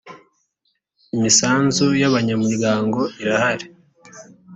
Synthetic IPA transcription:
imisaːnzujaβaɲamiɾɡaːŋɡo̞ʔiɾahaɾe

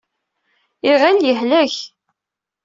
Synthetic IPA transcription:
iʁæljəhlæç

